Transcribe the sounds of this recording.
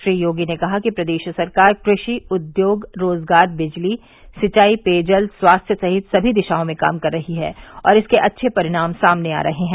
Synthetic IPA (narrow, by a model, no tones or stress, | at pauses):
ʃɾiːjoːɡinekɐɦakipɾɐd̪eːʃsɐɾkaːɾkɾɪʃiʊd̪joːɡɾoːzɡaːɾbɪd͡ʒli | sɪt͡ʃaːipeːd͡ʒəlswaːst̪ʰjəsɐɦɪt̪sɐbʱid̪ɪʃaːõmẽka̰ːmkɐɾːɐɦiɦɛ̰ːɔ̰ːɾɪskeʔɐtːʃʰepɐɾɪɽ̃aːmsaːmnea̰ːɾɐɦeɦɛ̃